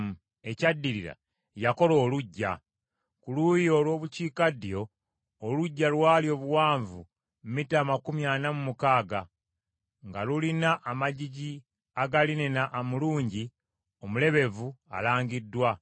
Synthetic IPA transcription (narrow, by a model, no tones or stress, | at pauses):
mu | e̞cadːiɾiɾa̰ | jako̞lo̞ːluɟːa̰ | kulujolwo̞ːβuciːkadijo̞ː | luɟːalwaːljo̞ːβuwaːɱvu | mmitaːmakumjaːnamumukaːɡa | ŋɡalulinaʔːmaɟiɟi | aɡalinenaʔːmuluːɲɟi | o̞mule̞βe̞vua̰laːŋɡidːwa